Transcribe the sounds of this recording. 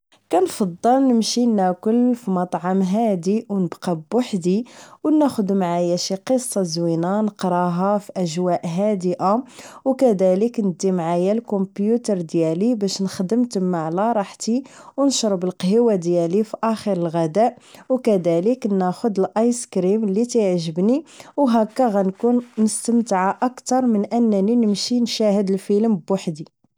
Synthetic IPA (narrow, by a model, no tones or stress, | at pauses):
kænfɑd̪ˤːəlnəmʃinækʊlfimɑt̪ˤʕɑmɦæd̪iwnəbqɑbwaħd̪iwnæxʊd̪mʕajæʃiqəsˤːɑzwinanəqɾˤɑɦɑfiʔæʒwæʔɦæd̪əʔawkæd̪æləknəd̪ːimʕajælkompjut̪əɾˤd̪jælibæʃnəxd̪əmt̪mːaʕlæɾˤɑħt̪iwnʃɾˤbəlqhəwad̪jælifiʔæxəɾəlɣæd̪æʔwkæd̪æləknːæxʊd̪əlʔɑjskɾimlːit̪əʕʒəbniwɦækːæɣænkunnəst̪əmt̪ʕaʔɑkt̪ɑɾˤmənʔənːæninəmʃinʃæhəd̪əlfiləmbwaħd̪i